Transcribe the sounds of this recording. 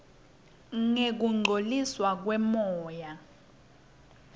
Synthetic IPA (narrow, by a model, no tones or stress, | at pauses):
ŋek̬uŋ͡ǃʱoliswak̬wɛmɔːja